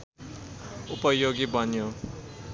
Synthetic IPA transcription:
upʌjoɡebʱʌnjo

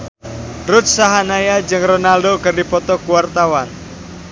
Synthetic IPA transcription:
ɾʊt̪̚saɦanajad͡ʒɨŋronaldokərdipɔt̪ɔkuwart̪awan

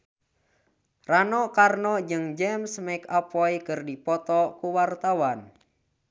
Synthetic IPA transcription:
ranɔkarnɔd͡ʒɨŋd͡ʒɛmsmɛkapɔikərdipɔt̪ɔkuwart̪awan

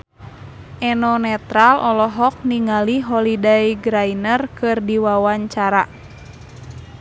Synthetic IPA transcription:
ʔɛnɔnɛt̪ɾalɔlɔɦɔk̚niŋaliɦɔlidajɡɾainərkɨrdiwawaɲt͡ʃaɾa

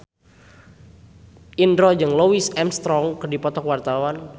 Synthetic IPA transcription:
ʔindɾɔd͡ʒɨŋlowisɛmst̪ɾɔŋkərdipɔt̪ɔkwart̪awan

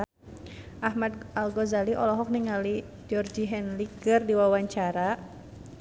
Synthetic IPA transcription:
ʔahmad̪̚alɡɔzaliʔɔlɔɦɔk̚niŋali | d͡ʒɔrd͡ʒiɦɛnlikɨrdiwawaɲt͡ʃaɾa

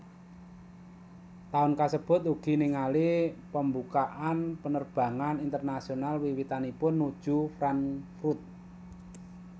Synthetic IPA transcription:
t̪aʊnkasəb̥ʊ̤t̪uɡ̥i̤niŋalipəmbukaʔanpənərb̥ä̤ŋanint̪ərnasionalwiwit̪anipʊnːud̥ʒ̥ṳfɾanfɾut̪̚

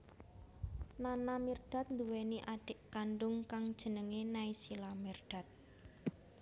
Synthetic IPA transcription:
nanamird̥a̤t̪̚nd̪uweniʔaɖ̥ɪʔkanɖʊŋkaŋd̥ʒ̥ə̤nəŋenaisilamirɖ̥a̤t̪̚

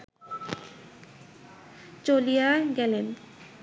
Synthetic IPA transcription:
t͡ɕolijaɡɛlen

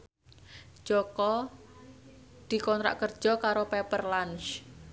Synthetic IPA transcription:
d͡ʒ̥ɔkɔ | d̪̥i̤kɔnɾa̰ʔkərd̥ʒ̥ɔ̤kaɾopɛpərlanʃ

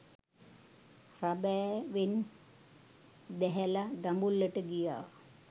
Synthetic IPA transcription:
rabɛːʋen | d̪ɛɦɛlad̪ambulːəʈəɡija̰ː

